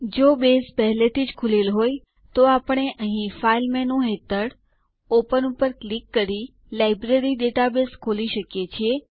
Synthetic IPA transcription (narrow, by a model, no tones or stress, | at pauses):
d͡ʒobespəɦlet̪ʰid͡ʒkʰulelɦoj | t̪oapəɳ̃eʔəɦĩfailmɛnũɦet̪əɽ | opənupəɾklikːəɾi | lajbɾeɾiɖeʈabeskʰoliʃəkjet͡ʃʰie